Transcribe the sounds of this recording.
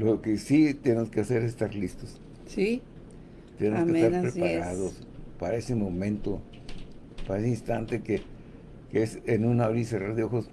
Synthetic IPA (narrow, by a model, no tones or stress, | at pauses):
lokesit̪jenemoske̞ase̞ɾesest̪aɾlist̪os | si | t̪enemosesaɾpɾespaɾaðos | paɾaesemõmẽ̞nt̪o | paɾaeseinst̪ant̪eke | keesenũnaoɾiseraɾðeo̞xos